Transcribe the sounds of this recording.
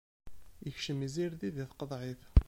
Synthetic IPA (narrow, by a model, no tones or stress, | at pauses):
jəçʃəmiziɾðiðiθqəðˤʕiθ